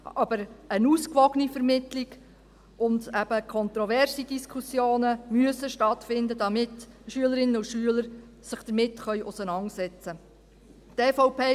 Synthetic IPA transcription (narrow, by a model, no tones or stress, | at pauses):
ɑbəɾənuːskʋɔɡənifɛɾmɪtliɡ | ʔʊnd̪æb̥əkʰɔnt̪ɾɔvɛrsidiskʰusjoːnəmyəsəʃtɑt̪fɪnd̪əd̥ɑmɪtʃyələɾɪnːəuʃyələɾ | sɪχd̥̪əɾmɪtːχœʏʔʊsənɑnsɛt͡sə | tɛːfɔʊpʰeː